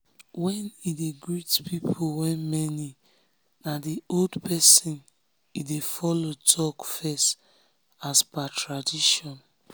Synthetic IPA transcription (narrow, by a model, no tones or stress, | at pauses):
wɛnideɡɹitpipʰowɛnmɛni | nadioldpʰɛsĩn | idefɔlotʰɔkfɛst | asbatɹadiʃɔ̃n